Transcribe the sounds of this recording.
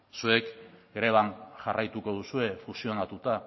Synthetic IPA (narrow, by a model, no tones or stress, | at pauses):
sue̞kɡɾe̞β̞anʝarʔajt̪uko̞ð̞usue̞fusio̞nat̪ut̪a